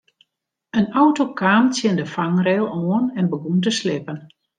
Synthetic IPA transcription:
ənawtokʰaːmt͡sjɪndəfaŋrɛlˠɔənɛnbəɡuntəslɪpən

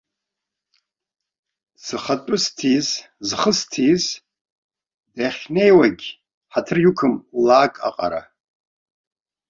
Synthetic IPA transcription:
sɨχatʼʊstʰiz | zχəstʰiz | daχʲnejwaɡʲ | ħatʰɨrjukʰɨmlaːkʼa̰qʼa̰ɾa̰

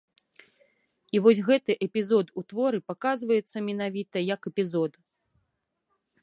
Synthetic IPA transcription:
ivɔsʲɣɛt̪ɨʔɛpʲizɔd̪ut̪vɔɾɨpakazvɐjɛt̪sːɐmʲɛnavʲit̪ɐjɐkɛpʲizɔd̪

